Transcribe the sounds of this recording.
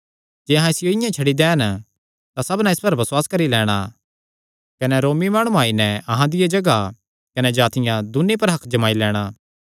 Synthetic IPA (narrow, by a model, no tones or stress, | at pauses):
d͡ʒeːɐɦãɪsɪjoɪjãt͡ʃʰɐɽid̪ɛːn | t̪asɐbnaɪspɐɾbɐswaːskɐɾilɛːɽ̃a̰ | kɐnɛɾoːmimaːɽ̃uaːinɛ̃ɐɦãd̪ɪjed͡ʒɐɡa | kɐnɛd͡ʒaːt̪ɪjãd̪ʊnep̬ɐɾɦɐkʰd͡ʒɐmaːilɛːɽ̃aː